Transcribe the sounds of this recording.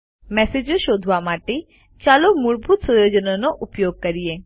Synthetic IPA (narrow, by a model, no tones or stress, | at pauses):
mɛsed͡ʒoʃod̪ʱʋamaːʈe | t͡ʃalomuɭbʱut̪sɔjod͡ʒənonoʔupjoːɡ̚kɐɾie